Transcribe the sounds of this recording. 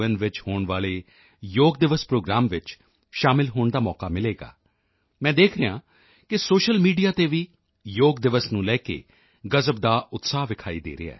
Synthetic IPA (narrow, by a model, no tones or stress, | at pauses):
ənʋɪt͡ʃhoːɳʋaːɭeː | joːɡ̚d̪ɪʋəspɾoːɡɾaːmʋɪt͡ʃ | ʃaːmɪlɦoːɳd̪aːmɔːkaːmɪleːɡa̰ː | mɛ̃ːd̪eːkʰɾeã̰ː | kɪsoːʃəlmiːɖijaːt̪eːʋiː | joːɡ̚d̪ɪʋəsnũːlɛːkḛː | ɡəzəp̚d̪aːʊt̪saːɦʋɪkʰaːiːd̪ḛːɾɪ̰a̰ː